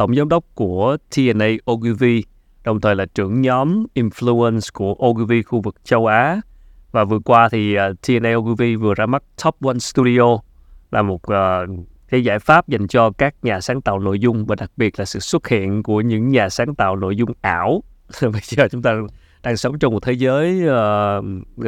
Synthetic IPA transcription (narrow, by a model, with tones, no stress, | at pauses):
t̪ə˧˩wŋ͡mzɔː˨˦mɗə˦˥wk͡p̚ku˧˩ət̪ʰi˧ʔɛ˧nʔə˧jʔo˧ɣi˧vi˧ | ɗə˨˩wŋ͡mt̪ʰəː˨˩jlaː˨˩t͡ɕɨ̰˧˩əŋɲɔ˨˦mʔi˧nflu˧ə˧nsku˧˩əʔo˧ɣi˧vi˧xu˧vɨ˨˩k̚t͡ɕə˧wʔaː˨˦ | vaː˨˩vɨ˨˩əkwaː˧t̪ʰiː˨˩˨t̪ʰi˧ʔɛ˧nʔə˧ʔo˧ɣi˧vi˧vɨ˨˩əzaː˧ma˦˥t̚t̪ʰɔ˦˥p̚wa˧nst̪u˧ɗi˧ʔo˧ | laː˨˩mo˨˩t̚ʔəː˨˩ | kaː˨˦jzaː˧˩jfaː˦˥p̚za˨˩jŋ̟t͡ɕɔ˧kaː˦˥k̚ɲaː˨˩saː˨˦ŋt̪a̰ː˧˨wno̰˧˨jzʊ˧ŋ͡mvaː˨˩ɗa˨˩k̚ɓi˨˩ət̚laː˨˩sɨ̰˧˨swə˦˥t̚hḭ˧˨ənku˧˩əɲɨ̰˧˥ŋɲaː˨˩saː˨˦ŋt̪a̰ː˧˨wno̰˧˨jzʊ˧ŋ͡mʔaː˧˩wvə˨˩əː˨˩t͡ɕʊ˨˦ŋ͡mt̪aː˧ | ɗaː˧ŋsə˨˦ŋ͡mt͡ɕɔ˧wŋ͡mm˨˩t̚t̪ʰe˨˦zəː˨˦jəː˨˧